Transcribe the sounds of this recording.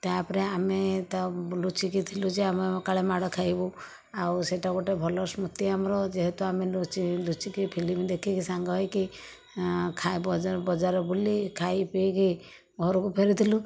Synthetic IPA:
t̪apɔɾeamet̪alut͡ʃikit̪ʰilud͡ʒeamekaɭemaɽɔkʰajbu | awseʈakɔʈebʱɔlɔsmut̪iamɾɔd͡ʒeɦɛt̪uamet͡ʃilut͡ʃikipʰilimd̪ekʰikisaŋɡɔɦɔjki | kʰajbɔbɔd͡ʒaɾɔbulikʰajpeki | ɡʱɔɾɔkupʰeɾit̪ʰilu

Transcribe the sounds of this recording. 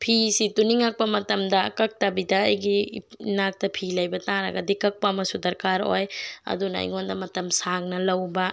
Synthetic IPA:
pʰisituniŋak̚pɐmɐtɐmdɐkɐk̚tɐbidɐ̰ːjɡinak̚tɐpʰilɐjbɐtaɾɐ̰ɡɐdikɐk̚pɐmɐsudɐɾkaɾo̰jɐ̰dunɐ̰j̰ŋondɐmɐtɐmsaŋnɐlɐwbɐ

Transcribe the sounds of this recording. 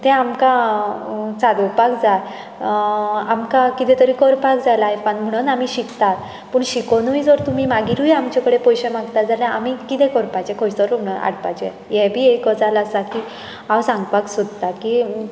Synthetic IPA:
t̪ɛ̃amka | t͡sad̪opakd͡zat̪ | amkakit̪ɛt̪əɾikɔɾpakd͡zajlaefanm̤əɽ̃unamiɕikt̪at̪ | pəɳɕikonujd͡zoɾt̪umimaɡiɾujamt͡ɕakəɽepɔjɕemaɡt̪ad͡zaljãʔamikit̪ɛ̃kɔɾpat͡ɕɛkʰɔjt͡sɔɾum̤ɽəa̰ɽpa̰t͡ɕɛ | jɛbʱiːekɔd͡zalasaki | awsãŋɡpaksud̪̚t̪aki

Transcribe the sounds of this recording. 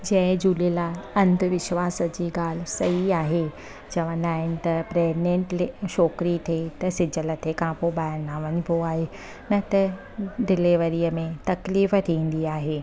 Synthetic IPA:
d͡ʑɐ̃ɦɪ̃d͡ʑuːlelaːɐ̃nd̪ʱʋɪʃʋaːsə̆d͡ʑiːɡaːl̤sɐɦiaːɦe | d͡ʑɐʋə̃naːɦɪnɪ̆t̪ɐpɾɛːɡnẽːɳʈleʃɔːkɾit̪ʰet̪ɐsɪ̃d͡ʑʱələt̪ʰekʰãpoɓaːɪɾnaːʋɐɲɪboaːɦe | nɐt̪ɐ | d̪ɪleʋɐɾiːəmẽt̪ɐkliːft̪ʰĩːn̆d̪iaːɦeː

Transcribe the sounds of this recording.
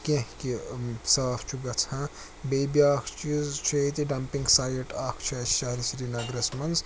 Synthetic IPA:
kẽɦkisaːfʰt͡ʃʰuɡɐt͡sʰã | bejbjaːkʰt͡ʃizt͡ʃʰɐjt̪iɖɐmpiŋɡsaːjɐʈaːkʰt͡ʃʰɐʃaɾisɾinɐɡɾɐsmɐnz

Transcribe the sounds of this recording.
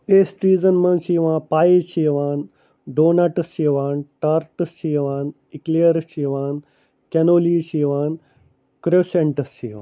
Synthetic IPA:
peːsʈɾiːd͡zənmɐ̃nɕiʋãpaiɕiːʋaːn | ɖoːnaʈəsɕiːʋaːnʈaɾʈəsɕiːʋaːn | ikleəɾɕiːʋaːn | kɛnoːliːɕiːʋaːn | kɾoseɳʈəsiːʋã̰ːn

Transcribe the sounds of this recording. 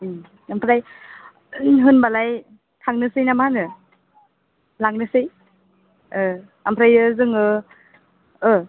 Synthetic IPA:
ampʰɾaj | ɦɯnbalaj | kʰaŋnɯsɯjnamaɦanɯ | laŋnɯsɯj | ɯ | ampʰɾajɯzɯŋɯ | ɯ

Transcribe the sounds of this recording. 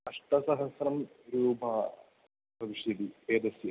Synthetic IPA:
ɐʂʈɐsɐɦɐsrɐm | ɾuːbaː | pɐʋiʂjɐd̪ieːd̪ɐsjɐ

